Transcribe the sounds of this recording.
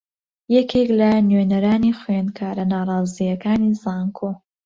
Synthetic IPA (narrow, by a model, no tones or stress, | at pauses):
jɛkʰeklɐnɥeːnɐɾaːniχwenkʰaːɾɐnaːrˤɑːzijɐkaːnizaːŋkʰoː